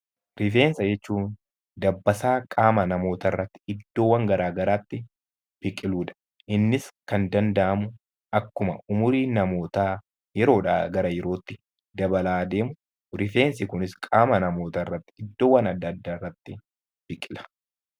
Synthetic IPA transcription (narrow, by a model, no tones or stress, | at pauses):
ɾɪfe̞ːnsɐd͡ʒɛt͡ʃːuːn | d̪ɐbːɐsaːkʼaːmɐnɐmo̞ːt̪ɐrːɐt̪ːɪ̥ɪd̪ːo̞ːwːɐŋɡɐɾaːɡɐɾaːt̪ːɪ | b̥ɪkʼɪluːᶑɐ̥ | ʔɪnːɪskɐnd̪ɐnd̪ɐʔɐmʊ | ʔɐkːʊmɐ̰ʔʊmʊɾiːnɐmo̞ːt̪aː | jɛɾo̞ːᶑa̰ːɡɐɾɐjɛɾo̞ːt̪ːɪ | d̪ɐbɐlaːd̪eːmʊ | ɾɪfe̞ːnsɪkʊnɪskʼaːmɐnɐmo̞ːt̪ɐrːɐt̪ːɪ̥ɪd̪ːo̞ːwːɐnɐd̪ːɐd̪ːaːɪrːɐt̪ːɪ | b̥ɪkʼɪlɐ̥